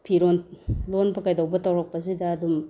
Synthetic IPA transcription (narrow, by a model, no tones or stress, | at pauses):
pʰiɾonlonbɐkajdawbɐtɐwɾɐk̚pɐs̬idɐːdum